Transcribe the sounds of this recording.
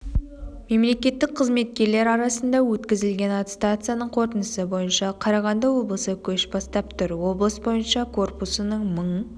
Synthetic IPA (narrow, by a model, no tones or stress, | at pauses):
me̞mle̞kʲe̞t̪ːɪk̚qʰəzme̞t̪̚kʲe̞ɾle̞ɾɑɾɑsənd̪ɑwɵt̪kʲɪzɪlɡʲe̞nɑt̪st̪at̪sɨjanəɴqʰo̞ɾt̪ənəsəbo̞jənʃɑqʰɑɾɑʁɑnd̪ɑwo̞blˠəsəkʲʰɵʃbɑst̪ɑp̚t̪ʊɾwo̞blˠəsbo̞jənʃɑkʰo̞rpusənəɴməɴ